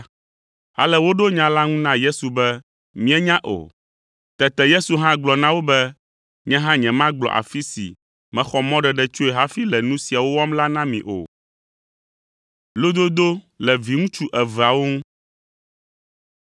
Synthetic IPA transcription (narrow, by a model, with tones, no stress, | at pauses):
a̰˨lɛ˦wo˦ɖo˦ɲã˦la˦ŋũ˦nã˦je˦su˨bɛ˦ | mĩ˦ɛ˦ɲã˦ʔo̰˨ | t̪ɛ˨t̪ɛ˨je˦su˨ɦã˦ɡ͡blɔ˨nã˦wo˦bɛ˦ | ɲɛ̃˦ɦã˦ɲɛ̃˨mã˦ɡ͡blɔ̰˨ʔa̰˨fi˦sḭ˨ | mɛ̃˦xɔ˨mɔ̃˦ɖɛ˨ɖɛ˦t͡ʃo˦e˨ɦa˦fi˦lɛ˨nũ˦si˨a˨wo˦wɔ˦mla˦nã˦mḭ̃˨ʔo̰˨ | lo˦d̪o˦d̪o˦ | lɛ˨vi˨ŋũ˦t͡ʃu˦ʔɛ˨vɛ˨a˨wo˦ŋũ˦